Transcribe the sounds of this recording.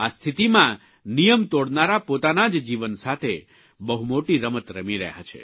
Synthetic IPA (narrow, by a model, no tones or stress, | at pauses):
ast̪ʰit̪imã | nijəmt̪oɽnaɾapot̪anad͡ʒd͡ʒiʋənsat̪ʰe | bəɦumoʈiɾəmət̪ɾəmiɾɛ̰ɦa̰t͡ʃʰḛ